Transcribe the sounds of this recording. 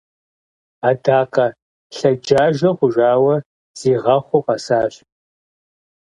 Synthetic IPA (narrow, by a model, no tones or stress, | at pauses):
aːdaːqʰɐ | ɬɐd͡ʒaːʒɐʁʷʊʒaːwɐ | z̥iːʁɐχʷʊqɑsaːɕ